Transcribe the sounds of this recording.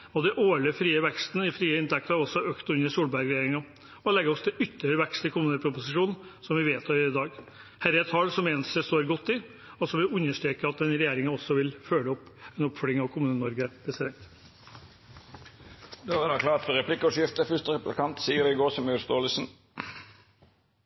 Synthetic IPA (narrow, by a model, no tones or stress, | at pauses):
ɔd̪ɛʔoːɭəfɾiːəʋɛkst̪nəɪfɾiːəɪnt̪ʰɛk̚t̪ɑɑɾɔsːɔøːkt̪ʉnːəsuːlbæɾɡɾɛjeːɾɪŋɑ | ɔɔlɛɡəɔsd̪ɛʔʏt̪ʰːəɾəʋɛkst̪ɪkʊmʉnəlpʰɾʊpʊsɪʂuːnn̩sɔmʋɪʋeːt̪ʰɑd̪ɑːɡ | hæːɾɛt̪ʰɑːlsɔmeːnəsəst̪oːɾɡɔt̪ːɪ | ɔsɔmʋɪʉnːəʂʈɾeːkəɑt̪̚ɛnɾɛjeːɾɪŋɑɔsːɔʋɪlføːləɔpːɛnɔpfœɽɪŋɑʋkʰʊmʉnənɔɾɡəpʰɾɛsɪd̪ɛnt̪ | d̪ɛæd̪ɑklɑːt̪fɔɾɛplɪkːəɔʂɪft̪əfʏʂt̪əɾɛplɪkʰɑnt̪siːəɾɪɡoːʁsɔmœst̪oːlsn̩